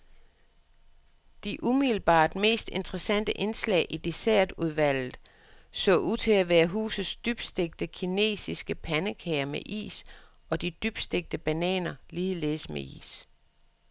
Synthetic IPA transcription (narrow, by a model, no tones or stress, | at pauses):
d̥iʔumil̩b̥ɑ̰̈ːd̥me̝̰ːsd̥e̝nd̥ʁəsæn̰d̥əʔe̝nslɛ̰ːɪʔid̥e̝sæɐ̰d̥uð̞ˠʋæl̰ð̩ˠ | sɔ̰̽ːʔuð̰ˠt͡sʰe̝æʋæːɐɦṵːsð̩ˠsd̥yb̥sd̥e̝ɡ̥̚d̥əkʰine̝̰ːsisɡ̥əpʰænəkʰɛːɐmeʔḭːs | ɒ̽d̥id̥yb̥sd̥e̝ɡ̥̚d̥əb̥ænɛ̰ːnɐliːð̩ˠle̝ðˠsmeʔḭːs